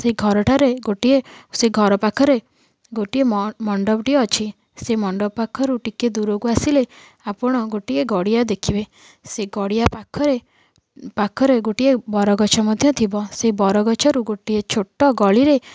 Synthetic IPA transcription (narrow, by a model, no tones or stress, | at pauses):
seɡʱɔɾɔʈʰaɾeɡoʈieseɡʱɔɾɔpakʰːɔɾe | ɡoʈiemɔɳɖɔbʈiɔːt͡ʃʰi | semɔɳɖɔpakʰːɔɾuʈiked̪uɾoɡuasile | apɔɽ̃ɔɡoʈieɡɔɽijad̪ekʰibe | seɡɔɽijapakʰːɔɾe | pakʰːɔɾeɡoʈiebɔɾɔɡɔt͡ʃʰɔmɔd̪ʱjɔt̪ʰibɔsebɔɾɔɡɔt͡ʃʰɔɾuɡoʈiet͡ʃʰoʈːɔɡɔɭiɾe